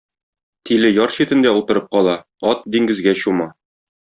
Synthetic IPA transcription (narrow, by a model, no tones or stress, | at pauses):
t̪ilɘjɒɾɕit̪ɘ̆nd̪æulˠt̪ɤ̆ɾɤp̚qɒlˠɑ | ɒt̪̚d̪iŋɡɘ̆zɡæɕumɑ